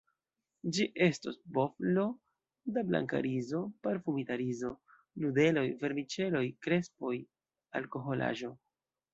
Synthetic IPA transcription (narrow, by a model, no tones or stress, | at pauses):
d͡ʒiʔe̞stosbo̞flo̞ | dabla̰ŋka̰ɾizo̞paɾfumitaɾizo̞ | lude̞lo̞jve̞ɾmit͡ʃe̞lo̞jkɾe̞spo̞j | alko̞ɦo̞lʔa̰ʒo̞